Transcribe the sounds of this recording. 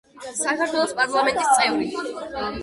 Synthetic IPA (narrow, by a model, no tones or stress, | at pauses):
sakʰaɾt̪ʰwɛlˠɔspʼaɾlˠamɛnt̪ʼist̪ʼɛuɾi